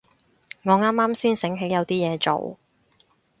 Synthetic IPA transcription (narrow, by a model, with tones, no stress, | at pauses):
ŋɔː˨˧ŋaː˥mːaː˥msiː˥nsɪ˨˥ŋɦe˨˥jɐ˨˧wt̪iː˥jɛː˨˧t͡so̰˨˩w